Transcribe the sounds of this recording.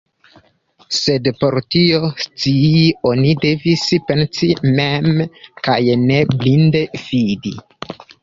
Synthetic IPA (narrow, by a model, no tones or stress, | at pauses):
se̞dpo̞ɾtio̞st͡siio̞nide̞vispe̞nsimemkajne̞blinde̞fidi